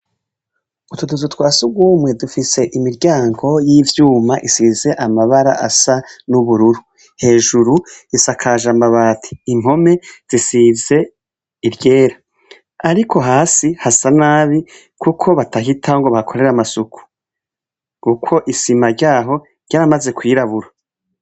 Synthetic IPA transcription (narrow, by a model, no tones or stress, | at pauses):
utuduzutwaːsuɡwuːmŋe̞dufise̞ʔimiɾɟaːŋɡo̞jivjuːmaʔisize̞ʔamaβaɾa̰ʔasanuβuɾuɾu | he̞ːʒuɾuisakʰaʒambaβaːtʰi̥ːm̥ho̞me̞z̥isize̞ | iɾɟe̞ːɾa | aɾikʰo̞ɦaːsihasanaːβi | kʰukʰo̞βataɦitʰaŋɡo̞βahakʰo̞ɾe̞ɾamasukʰu̥ | kukʰo̞ʔisimaɾɟaːɦo̞ | ɟaːɾamaze̞kʰwiːɾaβuɾo